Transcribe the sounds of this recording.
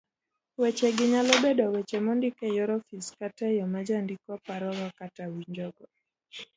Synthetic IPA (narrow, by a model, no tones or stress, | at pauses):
wɛt͡ʃɛɡɪɲalɔbɛdɔwɛt͡ʃɛmɔndikɛjɔɾɔfiskatajɔmad͡ʒandikɔpaɾɔɡakatawiɲd͡ʒɔɡɔ